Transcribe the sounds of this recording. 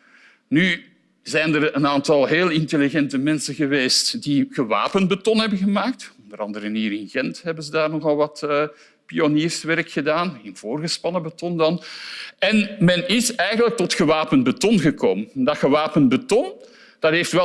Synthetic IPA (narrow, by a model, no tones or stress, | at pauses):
ny | zɛjndərənaːntɑlˠɦeːlˠɪnteliɣɛntəmɛnsənɣəʋeːstdiɣəʋa̰ːpənbətɔnɦɛbəɣəmaːk̚tɔndəɾɑ̰ndəɾənɦiːɾɪnɣɛntɦɛbənzədaːrnɔxɑlˠʋɑtə | pioniːrsʋɛrkxədaːnɪnv̥oːrɣəspɑnəbətɔndɑnɛnmɛnɪsɛjɣənlək̚tɔtxəʋaːpənbətɔnɣəko̰ːməndɑtxəʋaːpənbətɔn | d̥ɑtɦeːftʋɛ